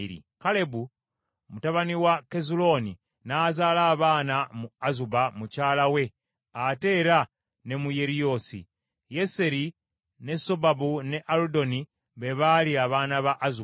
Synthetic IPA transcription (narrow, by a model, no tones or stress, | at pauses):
ɾḭ | kale̞bu | mutaβaniwake̞zulo̞ni | nazalaːβaːnamuazubamucaːlawe̞ | ate̞ɾa | ne̞muje̞ɾijo̞sḭ | je̞se̞ɾi | ne̞so̞babune̞ʔaludo̞ni | βe̞βaliaβaːnaβaʔːzu